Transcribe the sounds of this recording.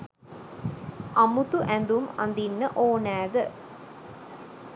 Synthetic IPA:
ʔɐmut̪uʔɛnd̪umɐ̰nd̪inːəʔoːnæːðə

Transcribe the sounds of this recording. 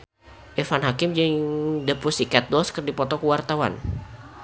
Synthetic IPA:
ʔefanɦakɪmd͡ʒəŋdəpusikɛt̪̚dɔskərdipɔt̪ɔkuwart̪awa̰n

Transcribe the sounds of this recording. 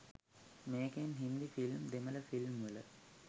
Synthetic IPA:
meːkenɦind̪ifilmd̪emələfilmʋələ

